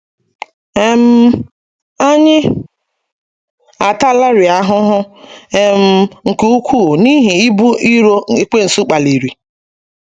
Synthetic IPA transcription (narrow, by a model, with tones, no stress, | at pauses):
e˦m̩˦ | a˦ɲɪ˦ | a˨ta˦la˦ɾɪ˨a˦ɦʊ˦ɦʊ˦e˨m̩˦ŋ̩˨ke˦u˦kʰʷu˦˨ni˦ɦi˨i˦bu˦i˦ɾo˦e˦k͡pe˦n̩˨su˦k͡pa˨li˨ɾi˨